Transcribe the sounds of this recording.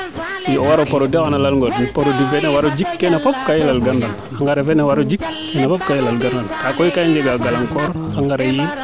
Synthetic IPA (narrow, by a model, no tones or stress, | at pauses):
jiowaɾopoɾodikanalalŋɡoɾjipoɾodivenewaɾod͡ʒikːenepɔp̚kajilalɡandan | aŋɡaɾevenɛwaɾod͡ʒikːɛnepɔp̚kajilalɡandankakoikaiɲd͡ʒeɡaɡalaŋkɔɾaŋɡaɾeji